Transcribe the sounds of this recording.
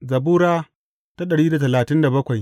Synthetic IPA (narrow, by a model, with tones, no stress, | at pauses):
zɐ˨buː˦ɾaː˦ | ta˦ɗɐ˨ɽiː˦da˨tɐ˨laː˨tɪ˦nda˨bɐ˦kʷa˨j